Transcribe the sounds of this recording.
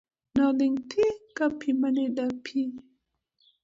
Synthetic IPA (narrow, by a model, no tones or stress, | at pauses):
naliŋtʰikapʰimanedapʰi